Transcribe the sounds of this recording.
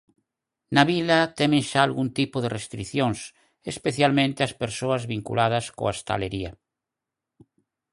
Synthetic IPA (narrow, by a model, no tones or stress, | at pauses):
naβilat̪ɛmẽŋʃaːlɣunt̪ipoðerest̪ɾiθjoŋs | espeθjalmẽnt̪easpeɾsoazβiŋkṵlaðɐsko̰aest̪a̰leɾia